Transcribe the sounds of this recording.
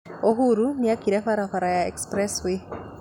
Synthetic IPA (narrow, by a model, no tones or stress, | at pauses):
oɦuɾuniakiɾefaɾafaɾajaɛ̰kspɾɛswi